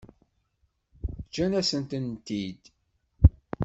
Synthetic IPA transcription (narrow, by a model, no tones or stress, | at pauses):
d͡ʒænæsənt̪ənt̪id̪